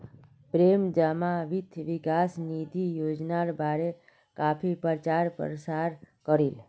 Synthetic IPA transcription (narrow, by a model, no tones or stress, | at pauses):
pɾemd͡ʒamaʋit̪ʰʋikasnid̪ʱijod͡ʒnaɾbʱaɾe | kapʰipəɾt͡ʃaɾpɾsaɾ | kəɾil